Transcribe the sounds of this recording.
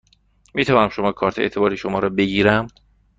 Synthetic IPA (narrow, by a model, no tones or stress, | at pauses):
miːt̪ʰævɒːnæmʃo̞mɒːkʰɒːɾt̪ʰeḛt̪ʰe̞bɒːɾiːʃomɒːɾɒːbe̞ɡiːɾæm